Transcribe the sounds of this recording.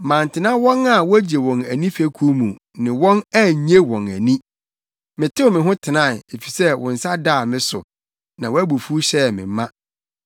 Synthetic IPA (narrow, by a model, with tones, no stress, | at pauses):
mã˨n˨tʰɪ˨nã˦wɔ̃˦na˨wɔ˦æ˦d͡ʑe˨wɔ̃˨næ˨nĩ˦fæ˦kʰu˦mũ˨ | nɪ̃˨wɔ̃˦næ˦˨ɲe˦wɔ̃˨næ˨nĩ˦ | mɪ̃˨tʰɪ˦wmɪ̃˨ɦʊ̃˦tʰɪ˨nã˦˨ne˨fi̥˨sɛ˦˨wɔ̰̃˨n̩˨sa˦daː˦˨mɪ̃˦sʊ˨ | nã˨wɔ˦æ˦bu˨fu˦ɕɛ˦˨mɪ̰̃˨˦mːã˦